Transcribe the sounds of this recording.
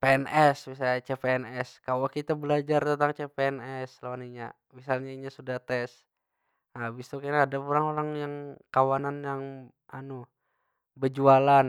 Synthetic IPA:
peɛnʔɛsmisat͡ʃepeɛnɛskawokit̪abəlad͡ʒart̪ənt̪aŋt͡ʃepeɛnɛslawaniɲa | misalɲaiɲasudaht̪ɛs | abist̪ukanaːdapuɾaŋoɾaŋjaŋkawananjaŋ | anu | bəd͡ʒualan

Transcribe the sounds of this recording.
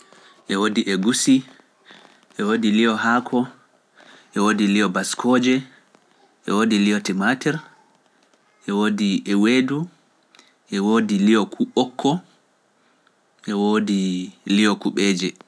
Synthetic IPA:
ʔɛwodiʔɛɡusi | ʔɛwoːdiliɔɦaːkʰɔ | ʔɛwoːdiliɔbaskʰɔːd͡ʒɛ | ʔɛ̰woːdiliɔtɛmatɛɾ | ʔɛwoːdiʔɛweːdu | ʔɛwoːdilijɔkʰuɓɔkʰːɔ | ʔɛwoːdilijɔkuɓɛːd͡ʒɛ

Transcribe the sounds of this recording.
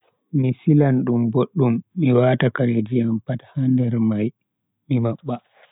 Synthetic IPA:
misilanɗumboɗːumːiwaːtakaɾed͡ʒijampathandɛɾmaj | mimaɓːa

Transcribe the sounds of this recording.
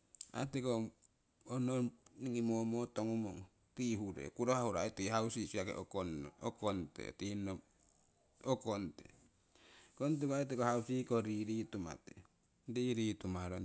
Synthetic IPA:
a̰teko | ononiŋimomotoŋumoŋ | tiɦuɾḛkuɾohahuɾaitihausisiakḛokonokontḛtino | okontḛ | kont̬ekoait̬ekohausikoɾiɾituma̰tḛ | diɾitumaɾo

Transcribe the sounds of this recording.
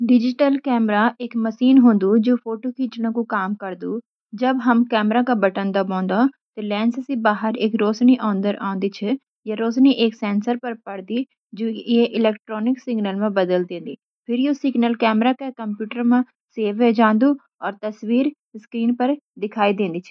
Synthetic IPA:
ɖɪd͡ʒɪʈəlkɛːmɾaʔekməʃiːnɦõːnd̪ud͡ʒoːpʰoːʈokiːt͡ʃnãkukaːmkɐɾd̪uː | d͡ʒɐbɦɐmkɛːmɾakabɐʈə̃nd̪abɔ̃ːnd̪a | t̪elɛːnssibaːɦəɾeːkɾoːsniʔɔ̃ːnd̪əɾʔã̰ːnd̪it͡ʃʰɛ | jaɾoːsniʔeːksɛ̃ːnsəɾpɐɾpɐɽd̪i | d͡ʒoːeʔɪlɛːkʈɾɔːnɪksɪɡnəlmẽbəd̪əld̪ẽːnd̪iː | pʰɪɾjoːsɪɡnəlkɛːmɾakakəmpjuːʈəɾmã | seːʋed͡ʒãːnd̪uː | ɔːɾt̪əswiːɾ | skɾiːnpəɾd̪ɪkʰaːid̪ẽːnd̪iːt͡ʃʰɛ

